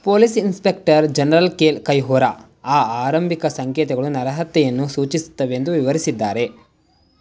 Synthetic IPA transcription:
poːlisinspe̞k̚ʈɐɾd͡ʒɐnɐɾɐlkeːlkɐjɦoːɾa̰ | aːaːɾɐmbʱikɐsɐŋkjɛːt̪ɐɡɐɭunɐɾɐɦɐt̪ːɛjɐnːusuːt͡ʃisu̥t̪ːɐʋend̪uʋiʋɐɾisid̪ːaːɾe̞

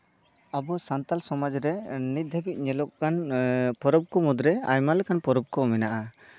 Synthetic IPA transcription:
abɔsant̪alsɔmad͡ʒɾɛnit̪̚d̪ʱɛbic̪̚ˀɲɛlɔkkanpɔɾɔb̚kɔmud̪ɾɛa̰jmalɛkanpɔɾɔb̚kɔmɛnaʔa

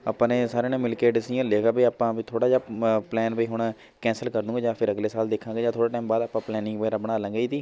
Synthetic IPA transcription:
a̰ːpãːeːsaːɾeːnẽːmɪlkeːɖsijãːleːɡaːbiːaːpãːbiːt̪ʰoːɽaːd͡ʒaːplɛːnpəiːɦʊɳ̃ | kɛ̃ːnsəlkəɾd̪ũːɡeːd͡ʒaːpʰɪɾəɡleːsaːld̪eːkʰãːɡeːd͡ʒaːt̪ʰoːɽaːʈaːmbaːd̪aːpãːplɛːnɪ̃ŋɡbəːɾãːbəɽ̃aːlə̃ːɡəiːd̪iː

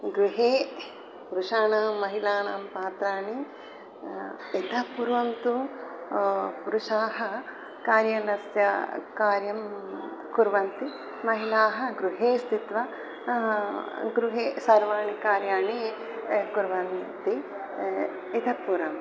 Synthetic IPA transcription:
ɡɾuɦeː | puɾuʃaːnaːmːɐɦilaːnaːmpaːt̪ɾaːɳi | it̪ʰɐpuɾʋɐnt̪u | puɾuʃaːɦɐ | kaːɾjɐnɐsjɐ̰kaːɾjɐm | kuɾʋɐnt̪i | mɐɦilaːɦɐ̆ɡɾuɦeːst̪it̪ʋɐ | ɡɾuɦeːsɐɾʋaːɳikaːɾjaːɳi | kuɾʋɐnt̪i | it̪ʰɐpːuɾɐm

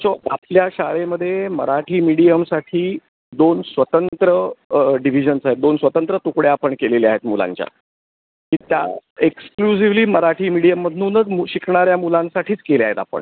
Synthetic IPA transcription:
t͡ɕoa̰pljaɕaɭeməd̪ʱːjeməɾaʈʰiːmiɽijəmsaʈʰiː | d̪onsʋət̪ənt̪ɾəɖiʋ̤id͡ʑənsaɦet̪̚d̪onsʋət̪ənt̪ɾət̪ukɽeapəɳkeleliaɦet̪mula̰ɲt͡ɕja̰ | kiːt̪ja̰eksklusiʋliːməɾaʈʰiːmiɽijəmːəd̪ʱnuːnəd͡zmuɕikɳaɾjamulãnsaʈʰiːt͡skelea̰ɦet̪apə̰ɳ

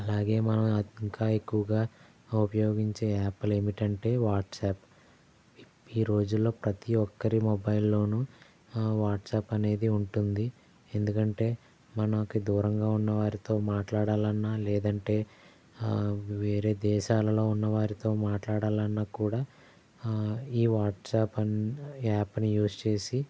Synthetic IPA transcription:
ɐlaːɡe̞ːmɐnɐmiŋkaːekːuʋɐɡaː | upɐjo̞ːɡiɲt͡ʃe̞ːaːpːɐle̞ːmiʈɐɳʈe̞ːʋaːʈsaːp | iːɾo̞ːd͡ʒulːo̞ːpɾɐt̪iɔkːɐɾimɔbɐjlːo̞ːnu | ʋaːʈsaːpɐne̞ːd̪iuɳʈund̪i | end̪ukɐɳʈe̞ː | mɐnɐkid̪uːɾɐŋɡaːunːɐʋaːɾit̪o̞ːmaːʈlaːɽaːlɐnːaːlɛːd̪ɐɳʈe̞ː | ʋeːɾe̞ːd̪ɛːʃaːlɐlo̞ːunːɐʋaːɾit̪o̞ːmaːʈlaːɽaːlɐnːaːkuːɽaː | iːʋaːʈsaːpɐnaːpnijuːst͡ʃe̞ːsi

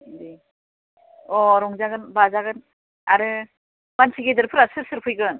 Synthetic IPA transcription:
di | ɔɾɔŋzaɡɯnbazaɡɯn | aɾɯ | mansʰiɡedɯɾpʰɯɾasɯɾsɯɾpʰɯjɡɯn

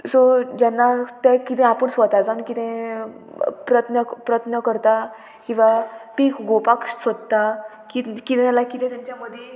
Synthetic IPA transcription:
sod͡ʑanːat̪ɛkit̪ɛ̃apəɳsʋət̪ad͡zankit̪ʰɛ̃ | pɾət̪ʰnəpɾət̪ʰnəkəɾt̪a | kĩw̃ʋapiːkɡopakʂsəd̪t̪a | kikit̪ɛ̃alakit̪ɛ̃t̪jaɲt͡ɕaməd̪ʱje

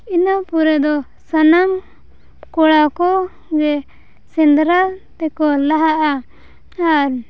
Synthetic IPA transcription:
inapuɾɛd̪ɔ | sanam | kɔɽakɔ | ɡɛ | sɛnd̪ɾat̪ɛkɔlaɦaʔa | aɾ

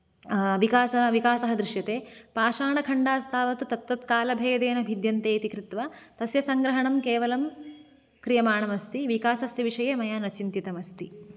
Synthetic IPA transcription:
ʋikaːsɐʋikaːsɐɦɐd̪ɾiʃjɐt̪eːpaːʃaːɳɐkʰɐɳɖaːst̪ʰaːʋɐt̪t̪ɐt̪ʋɐt̪kaːlɐbʱeːd̪eːnɐbʱid̪jɐnt̪eːit̪ikɾit̪ʋɐt̪ɐsjɐsɐŋɡɾɐɦɐɳɐmkeːʋɐlɐm | kɾijɐmaːɳɐmɐst̪iʋikaːsɐsjɐʋiʂɐjɐmɐjaːnɐt͡ʃint̪it̪ɐmɐst̪i

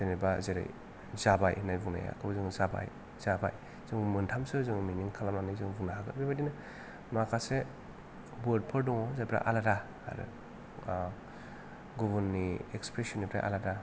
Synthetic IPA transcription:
ɯnibazeɾa̰j | zabajnajvuŋna̰ja̰kʰɯbazɯŋzaba̰j | z̥abaj | z̥ɯŋmɯntʰamsɯzɯŋminiŋkʰalamanizɯŋvuŋnaɦaɡɯbibadina | makʰase | bɔd̚pʰɯɾdɔŋɔzapɾa̰ʔa̰laɾa | a̰ɾɯ̰ | ɡubunːiekspɾesɔnːipʰɾa̰ʔa̰laɾa

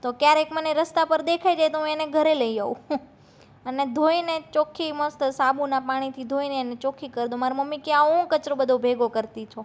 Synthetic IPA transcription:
t̪okjaɾekməneɾəst̪apəɾd̪ekʰajd͡ʒajt̪oɦũeneɡʱəɾeləiaũ | əned̪ʱoinet͡ʃokʰimə̃st̪sabũnapaɽ̃it̪ʰid̪ʱoinenet͡ʃokʰikəɾd̪õmaɾoməmːikjãɦũkət͡ʃɾõbəd̪ʱõbʱeɡokəɾt̪it͡ʃʰo

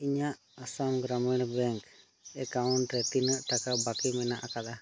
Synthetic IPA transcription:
iɲaʔ | asamɡɾamɛɽbɛŋk | ɛkawnɾɛt̪inəʔʈakabakimɛnaʔakad̪a

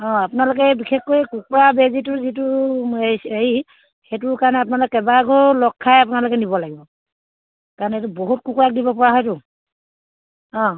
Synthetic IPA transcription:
ɔ̃apʊnalʊkɛbixʰɛkːojkuk̚ɔɹabɛzitʊzit̬ʊeei | xetʊɹkaɹɔnɛap̬ʊnalokekɛbaɡʱɔɹlɔkʰːajapunalʊkɛnibɔlaɡibɔ | kaɹɔnetuboɦut̚kukuɹak̚dibɔpɔɹaɦɔjtʊ | ɔ̃

